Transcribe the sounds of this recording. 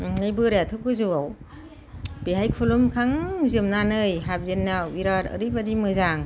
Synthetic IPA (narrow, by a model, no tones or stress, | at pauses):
nɯjbɯɾatʰɯk̚ɯzuaw | beɦajkʰulumkʰaŋzɯmnanɯjɦap̚zenːawiɾaɾɯ̰ɾibadimɯzaŋ